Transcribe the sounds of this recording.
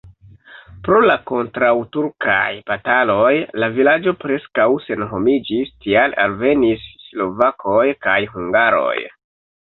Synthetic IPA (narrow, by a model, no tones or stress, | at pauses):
pɾo̞lako̞ntɾawtuɾkʰa̰jpatalo̞jlavilad͡ʒo̞pɾe̞skawse̞nɦo̞mid͡ʒistiala̰lve̞nisːlo̞vakʰo̞jkajɦuŋɡaɾo̞̰j